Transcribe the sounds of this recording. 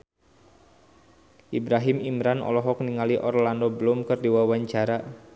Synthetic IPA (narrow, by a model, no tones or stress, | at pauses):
ʔibɾaɦimimɾanɔ̰lɔɦɔkniŋaliʔɔrlandɔbəlʊmkərdiwawaɲt͡ʃaɾa